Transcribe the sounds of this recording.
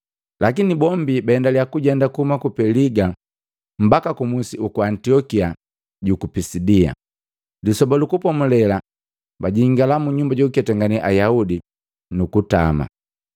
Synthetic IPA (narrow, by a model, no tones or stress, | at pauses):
lakinibɔmbibaɛndaliakuɟɛndakuhumakupɛliɡa | m̩bakakumusiukuantiɔkia | ɟukupisidia̰ | lisɔbalukupɔmulɛla | baɟiiŋɡalamuɲumbaɟɔukiatɛŋɡaniʔajaudi | nukuta̰ma̰